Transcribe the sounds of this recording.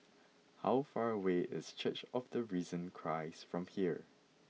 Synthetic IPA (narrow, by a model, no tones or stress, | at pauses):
ha̰ʊfaɹəweɪ̰st͡ʃʰət͡ʃɔvdəɹizə̃nkʰɹaɪsfɹɔ̃mhiəɹ